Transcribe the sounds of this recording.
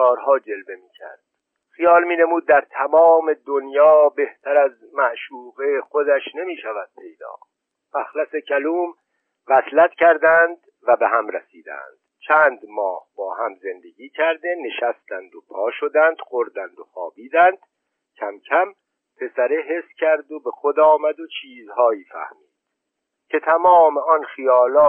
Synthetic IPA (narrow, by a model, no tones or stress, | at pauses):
kɒːɾɦɒːd͡ʒe̞lbe̞miːcʰæ̰ɾd̪̥ | xijɒːlmiːne̞muːd̪̚ːæɾt̪ʰæmɒːme̞d̪onjɒːbe̞ht̪ʰæɾæz | mæʔʃuːɣexo̞d̪æʃne̞miːʃævæd̪̥̚pʰe̞jd̪ɒ̰ː | mæxlæse̞cʰæluːm | væslæt̪cʰæɾd̪ænd̪ | væbehæmɾæsiːd̪æ̰nd̪̥t͡ʃʰænd̪mɒːhbɒːhæmze̞nd̪e̞ɡʲiːcʰæɾd̪e̞ne̞ʃæst̪ænd̪opʰɒːʃo̞d̪ænd̪̥xo̞ɾd̪ænd̪o̞xɒːbiːd̪ænd̪̥ | cʰæmcʰæm | pʰe̞sæɾeɦe̞sːcʰæɾd̪obe̞xod̪ɒːmæd̪ot͡ʃʰiːzhɒːjiːfæ̰hmiːd̪̥ | cʰe̞t̪ʰæmɒːme̞ɒnxijɒːlɒː